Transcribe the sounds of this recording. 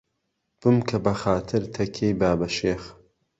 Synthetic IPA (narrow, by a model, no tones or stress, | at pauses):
b̥ɨmkʰɐbɐxaːt̪ʰɨɾt̪ʰɐkʲʰːeːjbaːbɐʃeːx